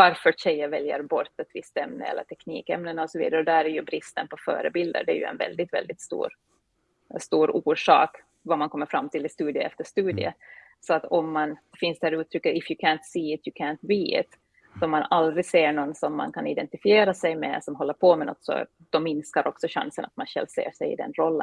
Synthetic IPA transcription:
vaɾfœɕɛjːəvɛljəɾbɔɾt̪ɛt̪ʰvɪst̪ɛmnə̰ɛ̰lːə̰ʈʰɛknḭːkɛmnənɔsɔvḭːd̪aɾɔd̪æɾæɾjɵbɾɪst̪ənpʰɔfœ̰ːɾə̰bɪld̪ə̰ɖ̪ɛæ̰ɾjɵ̰ɛ̰nvɛ̰ld̪ɪt̪vɛ̰ld̪ɪt̪st̪ṵːɾ | st̪uːɾuːʂɑ̰ːk | vamankʰɔmːəɾfɾamːt̪ʰɪlɪst̪ʉːd̪ɪə̰ɛft̪əʂt̪ʉːd̪ɪə̰ | sɔat̪ɔmːanfɪnsd̪ɛæɾʉːt̪ʰɾʏkːəɾɪfjɵkʰænt̪siːɪt̪ʰjʊkʰæːnt̪biːɪ̰t̪ | sɔmːanald̪ɾɪɡseːɳɔnːsɔmːa̰nkʰanɪd̪ɛnt̪ɪfɪeːɾasɛjmɛ̰sɔmɦɔlːəɾpʰɔmɛnɔ̰t̪ːsɔ̰ | d̪̥ɔmːɪnskaɾʔɔksɔɕa̰nsəna̰t̪manɕɛ̰lsḛːʂɛjɪ̰d̪ɛ̰nɾɔlːə̰n

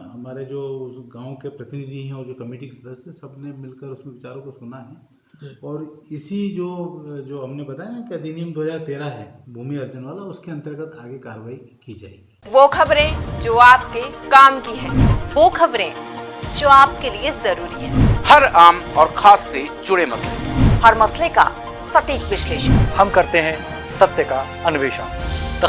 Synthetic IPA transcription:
ɦɐmaːɾed͡ʒoːɡãːõkepɾɐt̪ɪnɪd̪ʱiɦɛ̃ɔːɾd͡ʒoːkɐmiːʈɪksɐd̪əsesɐbnemɪlkəɾʊsmẽʋɪt͡ʃaːɾõkosʊnaɦɛ | ɔːɾɪsid͡ʒoːd͡ʒoːɦɐmnebɐt̪aːjenãkiɐd̪inimd̪oːɦɐzaːɾt̪eːɾaɦɛːbʱuːmiɐɾd͡ʒənʋaːlaʊskeɐ̃nt̪əɾɡət̪ʰaːɡekaːɾəʋaːi | kid͡ʒa̰ːḛɡiːʋoːkʰɐbɾẽd͡ʒoːaːp̚kekaːmkiɦɛ̃ːʋoːkʰɐbɾẽd͡ʒoːaːp̚keliezɐɾuːɾiɦɛ̃ːhɐɾaːmɔːɾxʰaːsːed͡ʒʊɽemɐslehɐɾmɐsleka̰ | sɐʈiːkʋɪʃleːʃənhɐmkɐɾt̪eɦɛ̃ | sɐt̪jəka | ɐnʊʋeːʃə̰nt̪ɐ

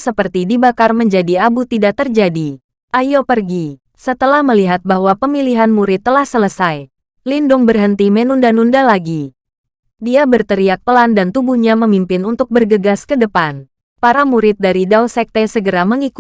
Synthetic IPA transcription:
səpərt̪idibakarməɲd͡ʒadiabut̪idakt̪ərd͡ʒadi | ʔajopərɡi | sət̪əlahməliɦat̪̚baɦwapəmiliɦanmuɾɪt̪ːəlahsələsaj | lindʊŋbərɦənt̪imenundanundalaɡi | diabərt̪əɾiak̚pəlandant̪ubuhɲaməmimpɪnunt̪ʊk̚bərɡəɡaskədəpan | paɾamuɾɪt̪̚daɾidawsɛk̚t̪ɛsəɡəɾaməŋik

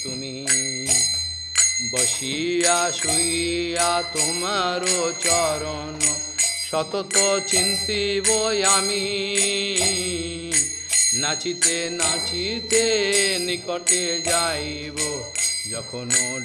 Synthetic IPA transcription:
uni | bɔʃiasuiat̪omaɾot͡ʃɔɾɔ | nɔsɔt̪ɔt̪ɔt͡ʃint̪ibɔjami | nat͡ʃit̪enat͡ʃit̪enikɔʈed͡ʒaj | bɔd͡ʒɔkʰɔnɔ

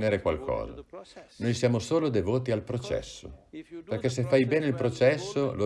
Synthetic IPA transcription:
neɾekwalkʰɔ̰ːza̰nojsjaːmosoːlod̪evoːt̪ialpɾot͡ʃɛ̰sːo̰perkes̬efːajbɛːneilpɾot͡ʃɛsːolo

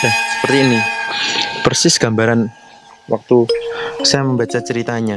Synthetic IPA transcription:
ahsə̥pərt̪iːni | pərsɪsɡ̥ambaɾan | wak̚t̪usajaməmbat͡ʃat͡ʃəɾit̪aɲa

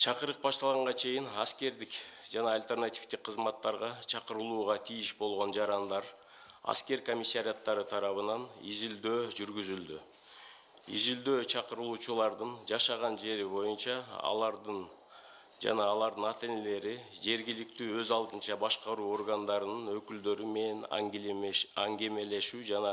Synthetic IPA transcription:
t͡ʃʰɑqəɾɯq̚bɑʃt̪ɑlˠʁɑɴʁɑt͡ʃʰe̞jinɑskʲe̞ɾd̪ɪkd͡ʒɑnɑːlʲt̪ʲe̞rnat̪ʲift̪ɪk̚qʰːəzmɑt̪ːɑɾʁɑt͡ʃʰɑqəɾɯlˠuːʁɑt̪ʰijɪʃbo̞lˠʁo̞nd͡ʒɑɾɑnd̪ɑɾ | ɑ̰skʲe̞ɾko̞mʲisːaɾʲijat̪ːɑɾɯt̪ʰɑɾɑβɯnɑnḭzild̪øːd͡ʒyɾɡyzyld̪y | ḭzild̪ø̞ːt͡ʃʰɑqɯɾɯlˠuːt͡ʃulˠɑɾd̪ɯnd͡ʒɑʃɑʁɑnd͡ʒe̞ɾibo̞junt͡ʃɑɑ̰lˠɑɾd̪n | d͡ʒɑ̰nɑːlˠɑɾd̪ɨnɑt̪e̞ne̞le̞ɾid͡ʒe̞ɾɡilik̚t̪yːø̞zɑlˠd̪ɯnt͡ʃɑbɑʃqɑɾuːo̞rɡand̪ɑɾɯnɯnø̞kyld̪ø̞ɾyme̞nen | ɑŋɡe̞me̞le̞ʃyːd͡ʒɑnɑ

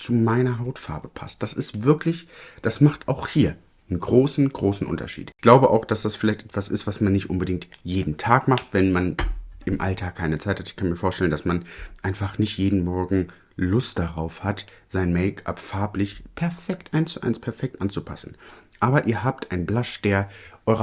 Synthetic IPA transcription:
t͡sumaɪnɐɦaʊtfa̰ɐbəpʰa̰st̚d̥asɪstv̥ɪɐklɪçd̥asmaχtʔaʊxhiːɐ | ənɡʁoːsn̩ɡ̥ʁoːsn̩ʔʊ̰ntɐ̰ʃḭːtɪɡ̥laʊbəʔaʊxd̥asd̥asfɪlaɪçtʔɛtv̥asɪstv̥asmanːɪçtʔʊnbədɪŋktjeːdn̩tʰaːkmaχtvɛnmanʔɪmʔa̰ltʰaːkʰːaɪnət͡saɪthatɪ̥çkʰanmiɐfoːɐtɛləndasmanʔaɪnfaχnɪçtjeːdn̩mɔɐɡŋ̩ | lʊstd̥aʁaʊfhat | z̥aɪnmɛɪkʰa̰pfaɐplɪçpʰɛɐfɛktʔaɪnst͡suʔa̰ɪnspʰɛɐfɛk̚tʔant͡supʰa̰sn̩ʔaːbɐʔiːɐɦaːp̚tʔaɪnblaʃd̥eːɐʔɔʏʁɐ

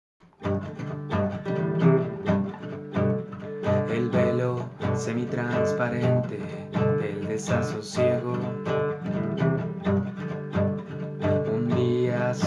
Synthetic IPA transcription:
elbelosemit̪ɾanspaɾent̪e | ðeld̪esasosjeɣo | und̪ias

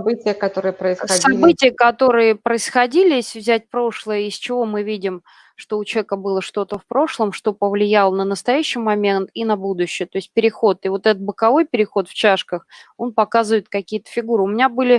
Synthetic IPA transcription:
bɨtʲɪjəkɐt̪oɾɨjəpɾəɪssɐɐbɨtʲɪjəkɐt̪o̞ɾɨjəpɾəɪsxɐdʲilʲɪesʲvzʲætʲpɾo̞ʂlˠəjəɪsʲt͡ɕɪvo̞mɨvʲidʲɪm | ʂt̪o̞ʊt͡ɕʲekəbɨlˠəʂt̪o̞t̪əfpɾo̞ʂlˠəmʂt̪o̞pəvlʲɪjalˠənənəst̪ɐjæɕːɪjmɐmʲent̪inɐbud̪ʊɕːɪjət̪o̞ɪsʲt̚ʲpʲɪɾʲɪxo̞t̪ɪvo̞t̪ɛt̪ət̪̚bəkɐvo̞jpʲɪɾʲɪxo̞t̪ft͡ɕaʂkəxo̞npɐkazɨvəɪt̪kɐkʲijət̪ə̥fʲɪɡuɾɨʊmʲɪnʲabɨlʲɪ

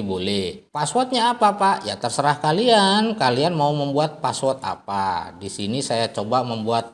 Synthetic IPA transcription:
bolɛhpaswɔt̪̚ɲaːpapaʔjat̪ərsəɾahkaliankalianmauməmbuat̪̚paswɔt̪̚a̰padisinisajat͡ʃobaməmbuat̪̚

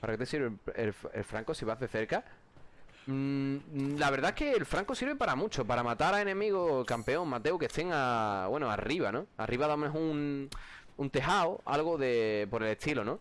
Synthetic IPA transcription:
paɾaket̪esiɾβeḛlfḛlfɾaŋkosiβaðeθe̞ɾka | laβe̞ɾðaehke̞ːlfɾaŋkosiɾβepaɾamũt͡ʃo̞paɾamat̪aɾae̞nẽ̞miɣ̞okampe̞oŋmat̪e̞wke̞t̪ʰe̞ŋaβwe̞noa̰riβanõ̞a̰riβaðamenoɦuŋ | unt̪e̞ɦaoa̰lɣoðe̞po̞ɾele̞t̪ilonõ̞

